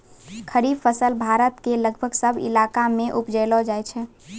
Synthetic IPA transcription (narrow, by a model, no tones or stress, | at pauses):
kʰəɾibfʰəsəlbʱaɾət̪keləɡbʱəɡsəbʱɪ̰lakamẽʔupd͡ʒəɪlɔd͡ʒajt͡ʃʰɛ